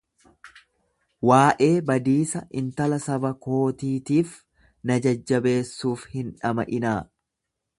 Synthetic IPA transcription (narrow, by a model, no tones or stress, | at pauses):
waːʔe̞ːbɐd̪iːsɐʔɪnt̪ɐlɐsɐbɐko̞ːt̪iːt̪iːf | nɐd͡ʒɐd͡ʒːɐbe̞ːsːuːfhɪnᶑɐmɐ̰ʔɪnaː